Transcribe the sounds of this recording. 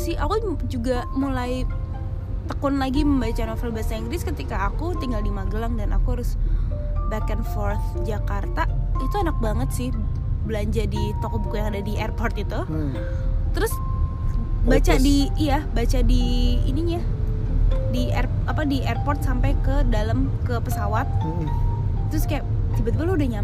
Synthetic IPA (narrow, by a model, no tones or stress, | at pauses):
sɪhakud͡ʒuɡamulaj | t̪əkʊnlaɡiməmbat͡ʃanofɛlbaasaiŋɡɾɪskət̪ikaːkut̪iŋɡaldimaɡəlaŋdanʔa̰kuaɾʊs | bakɛnfɔrθ | d͡ʒakart̪ait̪uanak̚baŋət̪sɪh | bəlaɲd͡ʒadit̪okɔbukujaŋadadiʔɛrpɔrt̪it̪u | t̪əɾʊs | bat͡ʃadijabat͡ʃadḭːniɲa | diɛrapadiʔɛrpɔrt̪̚sampajkədaləmkəpəsawat̪̚ | t̪ːəɾʊskajaʔsibat̪ibaloudahɲa